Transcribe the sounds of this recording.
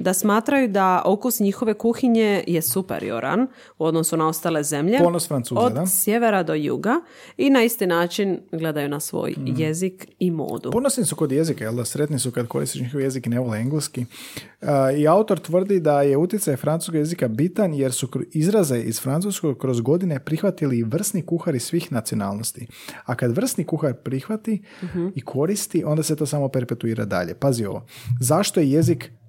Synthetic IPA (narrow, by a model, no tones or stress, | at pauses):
d̪asmaːt̪ɾajud̪aʔokusɲixo̞ʋe̞kuxiɲe̞jesupḛɾḭo̞̰ɾʔa̰n | uo̞d̪no̞sunao̞st̪ale̞ze̞mʎeponosfɾant̪suːodd̪asje̞ʋe̞ɾad̪o̞jṵɡa | inaist̪inaːt͡ʃinɡle̞d̪ajunasʋo̰ːjje̞zikimo̰ːd̪uponosnisukod̪jezikajeld̪asɾe̞t̪nisukad̪ko̞ɾist̪iʃɲixoʋjezikneʋolieŋɡleski | iaut̪o̞ɾt̪ʋr̩d̪id̪aje̞ut̪jet̪sajfɾanu̥skoɡjezikabit̪anje̞ɾsuizɾaze̞ʔizfɾansusko̞ɡkɾo̞zɡo̞d̪ine̞pɾixʋat̪iliʋr̩st̪nikuxaɾisʋiːxnat̪sio̞na̰ːlˠnost̪i | akad̪ʋr̩st̪nikuxaɾpɾixʋat̪i | ikʰo̞ɾist̪iʔo̞nd̪aset̪o̞ːsaːmo̞pe̞ɾpe̞t̪uiːɾa̰d̪a̰ʎe̞̰pazio̞̰ʋo̰zaʃt̪ojeje̞zik